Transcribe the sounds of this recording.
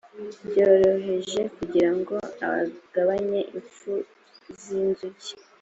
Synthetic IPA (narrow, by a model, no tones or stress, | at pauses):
bɟo̞ɾo̞ɦe̞ʒe̞kuɟiɾaŋɡo̞a̰βa̰ɡ̥aβaɲe̞ʔiɱfu | zinzuɟi̥